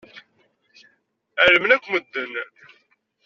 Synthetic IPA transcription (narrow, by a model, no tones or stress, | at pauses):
æɾəmnækʷːməd̪ːən